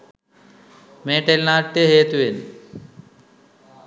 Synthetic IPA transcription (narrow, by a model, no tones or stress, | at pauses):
mẽːʈelnaːʈːeɦeːt̪uen